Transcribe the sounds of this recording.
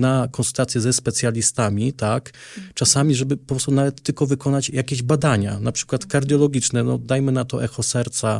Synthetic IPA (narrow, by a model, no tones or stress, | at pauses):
nakɔ̃nsult̪at̪sʲjɛzɛspɛt̪sʲjalʲist̪amʲit̪akt͡ʂasamʲiʐɛbɘpɔpɾɔst̪unavɛt̪ːɘlkɔvɘkɔnat͡ɕjakʲeʑbad̪aɲa̰napʂɘ̥kwat̪kaɾd̪jɔlɔɡʲit͡ʂnɛnɔd̪ajmɘnat̪ɔʔɛxɔsɛɾt̪sa